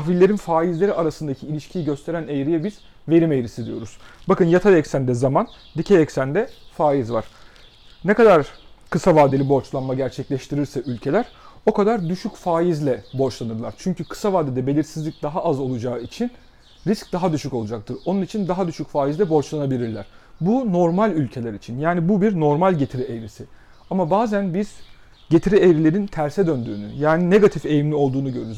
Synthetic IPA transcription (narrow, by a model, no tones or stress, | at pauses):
axvilʲːe̞ɾinfaːjizlʲe̞ɾiaɾasɯnd̪acʰiilʲiʃcʰijiɟø̞st̪ʰe̞ɾænejɾijɛbiz̥ | ve̞ɾimejɾisid̪ijo̞ɾuz̥bakɯnjat̪ʰajɛcsænd̪ɛzaman | d̪icʰɛjɛcsænd̪ɛfaːjizvaɾ̥ | nɛkad̪aɾkɯsavaːd̪eibo̞ɾt͡ʃlˠanmaɟæɾt͡ʃʰɛclʲɛʃt̪ʰiɾiɾsɛʔylʲcʰe̞lʲæɾ̥o̞kʰad̪aɾd̪yʃycfaːjizlʲɛbo̞ɾt͡ʃlˠanɯɾlˠa̰ɾt͡ʃʰyɲcykʰɯ̥savaːd̪ed̪ɛbe̞lʲiɾsizlʲic̚d̪aɦaʔazo̞lˠud͡ʒaːɯit͡ʃʰin | ɾisc̚d̪aɦad̪yʃyco̞lˠud͡ʒak̚t̪ʰɯɾo̞nunit͡ʃʰind̪aɦad̪yʃycfaːjizlʲɛbo̞ɾt͡ʃlˠanabilʲiɾlʲæ̰ɾ̥buno̞ɾmalʲylʲcʰe̞lʲæɾit͡ʃʰinjaːnibubiɾno̞ɾmalʲɟe̞t̪ʰiɾiejɾisi | amabaːzænbiz̥ | ɟe̞t̪ʰiɾiejɾilʲe̞ɾint̪ʰæɾsɛd̪ønd̪y̰ːny̰jaːnine̞ɡat̪ʰife̞jimlʲio̞lˠd̪uːnuɟø̞ɾyɾyz